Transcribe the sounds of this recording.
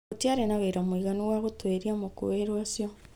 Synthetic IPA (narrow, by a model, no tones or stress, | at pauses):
otiaɾenaβeiɾamwiɣanuɣwaɣotweɾiamoko̰weɾwasjɔ